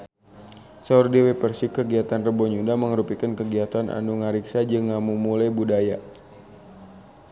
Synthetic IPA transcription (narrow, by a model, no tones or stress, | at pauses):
saurdewepərsikːəɡiat̪anrəbɔɲudaməŋəɾupikənkəɡiat̪anʔa̰nuŋaɾiksad͡ʒɨŋamumulajbudaja